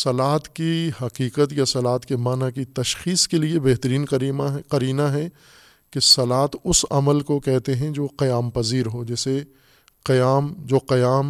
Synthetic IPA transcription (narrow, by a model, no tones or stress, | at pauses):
sɐlaːt̪kihɐqiːqət̪jasɐlaːt̪kemaːnakit̪ɐʃxiːskeliebeɦt̪əɾiːnqɐɾiːnaɦɛ | kesɐlaːt̪ʊsɐ̰məlkokɛɦt̪eɦɛ̃d͡ʒoːqɐjaːmpɐziːɾɦoːd͡ʒɛːse | qɐjaːmd͡ʒoːqɐjaːm